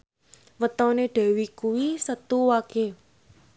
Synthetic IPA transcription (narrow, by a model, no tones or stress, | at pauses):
wət̪ɔneɖ̥ɛ̤wikuwisət̪uwaɡ̥e